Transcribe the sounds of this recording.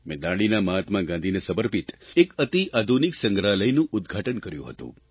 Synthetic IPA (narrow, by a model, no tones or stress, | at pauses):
mẽd̪aɽ̃inaməɦat̪mãɡãnd̪ʱinesəbəɾpit̪ekət̪iʔad̪ʱuniksə̃ŋɡɾaləjnũʔʊd̪ɡʱaʈənkəɾjṵ̃ɦə̰t̪ṵ̃